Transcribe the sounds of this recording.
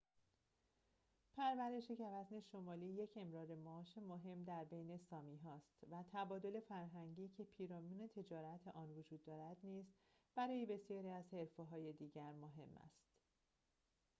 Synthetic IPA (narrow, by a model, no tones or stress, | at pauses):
pʰæɾvæɾe̞ʃecævæzne̞ʃomɒːliːjecʰe̞mɾɒːɾe̞mɒɒːʃemoɦe̞md̪æɾbe̞jne̞sɒːmiɦɒːst̪væt̪ʰæbɒːd̪o̞le̞fæɾɦæŋɟiːcʰe̞pʰiːɾɒːmiːne̞t̪ʰe̞d͡ʒɒːɾæt̪ʰeʔɒːnvod͡ʒuːd̪ːɒːɾæd̪niːz | b̥æɾɒːjebe̞sjɒːɾiːæzhe̞ɾfeɦɒːje̞d̪iːɟæɾmoɦe̞mːæ̰st̪